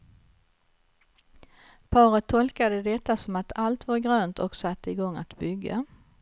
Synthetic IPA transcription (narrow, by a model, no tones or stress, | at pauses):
pʰɑːɾət̪ʰːɔlkad̪əd̪ɛt̪ːasɔmat̪ʰalt̪vaɾɡɾøːnt̪ʰɔksat̪ːəɪɡɔŋːat̪bʏɡːa̰